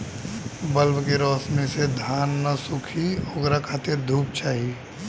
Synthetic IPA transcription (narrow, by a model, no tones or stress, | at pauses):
bəlbkeɾɔːsmesed̪ʱaːnːɐsʊkʰioɡɾakʰaːt̪ed̪ʱuːp̚t͡ʃaːɦi